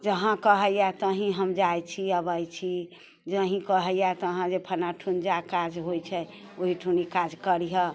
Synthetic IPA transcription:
d͡ʒəɦãkəɦəjat̪əɦĩɦəmd͡ʒajt͡ʃʰiəbəjt͡ʃʰi | d͡ʒəɦĩkəɦəjat̪əɦãd͡ʒepʰənaʈʰund͡ʒakad͡ʒɦojt͡ʃʰɛ | oɦiʈʰunikad͡ʒkəɾiɦə

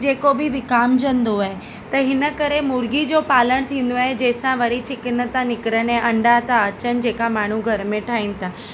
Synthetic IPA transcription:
d͡ʑeːkobɪʋɪkaːmd͡ʑɐ̃nd̪oaːɦe | t̪ɐɦɪnə̆kɐɾemʊɾɡid͡ʑoːpaːləɽ̃t̪ʰĩːn̆d̪oaːɦed͡ʑɛːsãʋɐɾit͡ɕɪkɪnət̪ãnɪkɪɾənɛ̃ːʔɐ̃ɳɖat̪ãɐt͡ɕənɪ̆d͡ʑeːkamaːɳ̤uɡʱɐɾmẽʈʰaːɦiːnɪ̆t̪ʰaː

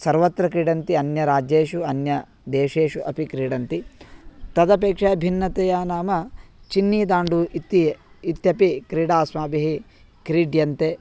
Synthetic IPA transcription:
sɐɾʋɐt̪ɾɐkɾiːɽɐnt̪iɐnjɐɾaːd͡ʒeːʃuɐnjɐ | d̪eːʂeːʃuʔɐpikɾiːɽɐnt̪it̪ɐd̪ɐpeːkʂɐːbʱinːɐt̪ejaːnaːmɐt͡ʃinːiːd̪aːɳɖuʔit̪i | it̪jɐpikɾiːɽaːsmaːbiɦi | kɾiːɖjɐnt̪eː

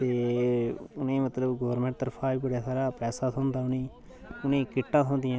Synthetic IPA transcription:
t̪eː | ʊnẽːmət̪ləbɡoːəɾmẽːɳʈt̪əɾpʰaːbiːbəɽaːsaːɾaːpɛːsaːt̪ʰõːnd̪aːʊnẽː | ʊnẽːkɪʈːãːt̪ʰɦõːnd̪ɪjãː

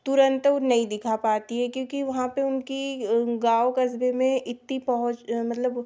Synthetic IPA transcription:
t̪ʊɾə̃nt̪ʊnɐɦĩd̪ɪkʰapaːt̪iɦɛkjõːkiʋɐɦãpeʊnkiɡaːokɐsbemẽɪt̪nipɐɦʊt͡ʃmɐt̪ləb

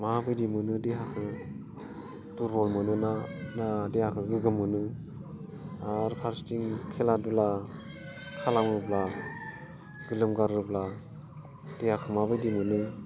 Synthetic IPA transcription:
mabɯjdimɯnɯdeɦakʰɯ | duɾɔlmɯnɯnanadehakʰɯɡɯɡɯmːɯnɯ | aɾpʰaɾstiŋkʰeladula | kʰalaŋɾɯpla | ɡ̥ɯlɯmɡaɾɯpla | dehakʰɯmabɯjdimɯnɯ

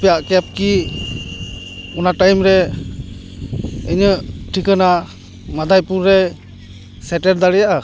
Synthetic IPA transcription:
pɛjaʔkɛp̚ki | ɔnaʈajmɾɛ | ejɲəʈʰikəna | mad̪ajpuɾːɛ | sɛʈɛɾd̪aɽɛjaʔa

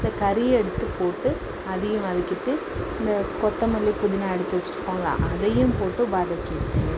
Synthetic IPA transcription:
nd̪ɐkɐɾɪɛɽɯt̪ːɯpoːʈːɯ | ɐðɐjɯ̃mɐðɯkːɪʈːɯ | ɪɪnd̪ɐkɔt̪ːɐmʊlːipʊðɪnaːɛɽɯt̪ːɯʋɐt͡ʃːɪɾɯkːõːŋɡɐlã̰ːʔɐðɐjɯ̃mpoːʈːɯbaːðɐkːɪʈ̪ːɯ

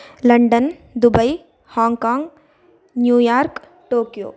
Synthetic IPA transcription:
lɐɳɖənd̪ʊbəi | hãːŋɡkãːŋɡ | njuːjaːɾk | ʈoːkijo̰ː

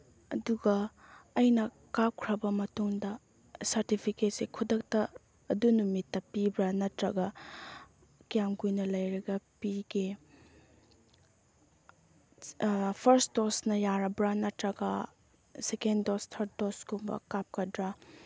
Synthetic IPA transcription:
ɐduɡɐː | jnɐ | kap̚kʰɾɐbɐmɐtuŋdɐ | sɐɾtipʰiket̚sekʰudɐk̚tɐː | dunumitːɐpibɾɐnɐtɾɐɡɐ | kijamɡujnɐlɐjɾɐɡɐpiɡe | pʰɐɾsdosnɐjaɾɐbɾɐnɐtɾɐɡɐ | sekendostʰɐɾt̚doskumbɐ̰kap̚kɐdɾɐ

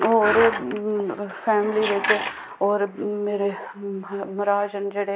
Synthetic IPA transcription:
ɔːɾ | fʰɛːmliɾekʰe | ɔːɾmeːɾe | mɐɾaːd͡ʒənd͡ʒɐɽe

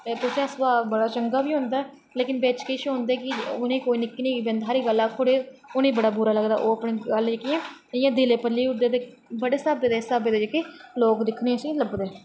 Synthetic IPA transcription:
epʊt͡ʃɛ̃sbaːbəɽaːt͡ʃəŋɡaːbiːɦõːnd̪aɛ | leːkɪnbeːt͡ʃkeːʃɦõːnd̪eːkɪʊnẽːkoːiːnɪkːnĩːɡibẽnd̪aːɾiːɡəlːaːt̪ʰoːɽeːʊnẽːbəɽaːbuɾaːləɡd̪a̰ːʔoːəpɽeːɡəld͡ʒekiãːɪjãːd̪eːleːpəliːʊd̪eːt̪eː | bəɽeːsaːbeːd̪eːsaːbeːd̪eːd͡ʒekeːloːkd̪ɪkʰneːəsĩːləbd̪eː

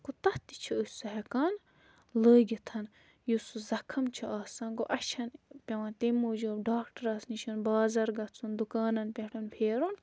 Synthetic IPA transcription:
kut̪ɐht̪i̥t͡ʃʰuəsɐɦɐkaːn | ləːɡʲit̪ʰɐn | jusuzɐkʰɐmt͡ʃʰuaːsɐ̃ːnɡoʔɐt͡ʃʰɐnpʲɐʋɐ̃nt̪emuːd͡ʒoːbɖaːkʈɐɾɐːsnit͡ʃʰunbaːzɐɾɡɐt͡sʰund̪ukaːnɐnpʲɐʈʰunpʰeːɾun

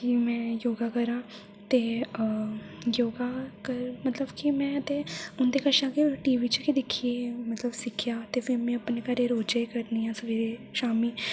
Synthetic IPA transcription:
kimɛ̃ːjoːɡaːkəɾãː | t̪eː | joːɡaːkəɾmət̪ləbkimɛ̃ːət̪ẽːʊnd̪eːkəʃãːkiʈiːʋiːt͡ʃkid̪ɪkʰːieːmət̪ləbsɪkʰjaːt̪eːfʰɪɾmɛ̃ːəpneːkəɾeːɾoːd͡ʒaːekəɾnijãːsəʋiːɾeːʃaːmiː

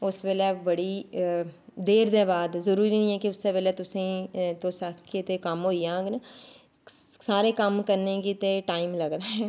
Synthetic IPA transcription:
ʊsbeːlɛːbəɽiː | d̪eːɾd̪eːbaːd̪zəɾuːɾiːnĩːɛːkiʊsːeːbeːlɛːt̪ʊsẽːt̪õːsaket̪eːkəmɦoːiːãːɡna | saːɾeːkəmkəɾneːɡit̪eːʈaːimləɡd̪aːɦɛː

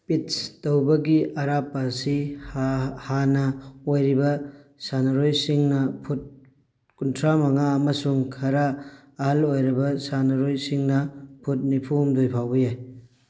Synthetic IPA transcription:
pitstɐwbɐɡiɐɾapɐsihhanɐojɾibɐsanɐɾojsiŋnɐpʰut̚ | kuntʰɾamɐŋaɐmɐsuŋkʰɐɾaː | ɦalojɾɐbɐsanɐɾojsiŋnɐpʰut̚nipʰumdojpʰawbɐjaj

